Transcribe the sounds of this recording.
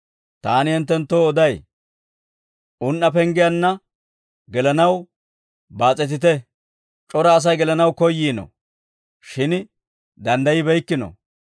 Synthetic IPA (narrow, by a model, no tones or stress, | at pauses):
t̪aːnɪhɛnt̪ːɛnt̪ːoːɔd̪ɐj | ʔʊnːɐpɛŋɡɪjɐnːɐ | ɡɛlɐnɐw | baːt͡sʼɛt̪̬ɪt̪̬ɛ | t͡ʃʼɔɾɐːs̬ɐjɡɛlɐnɐwkɔjːiːnɔ̰ | ʃɪn | d̪ɐnd̪ɐjɪbɛjkːɪnɔ̰